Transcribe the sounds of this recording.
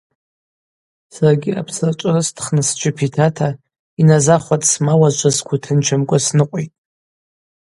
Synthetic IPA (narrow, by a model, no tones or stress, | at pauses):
sarɡʲɪa̰pʰsart͡ʃʷʼrɨstʰχnɨsd͡ʒɪpʰitʰatʰa | inazaχʷatʼsmawazʒʷazkʷʰutʰɨnt͡ʃʷʰamkʷʼasnɨqʷʼitʼ